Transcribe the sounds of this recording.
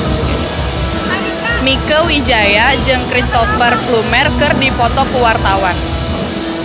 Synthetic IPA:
mikəwid͡ʒajad͡ʒɨŋkɾist̪ɔfərflumɛrkɨrdipɔt̪ɔkuwart̪awan

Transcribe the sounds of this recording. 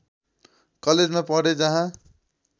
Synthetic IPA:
kʌled͡zmapʌɽed͡zʌɦã

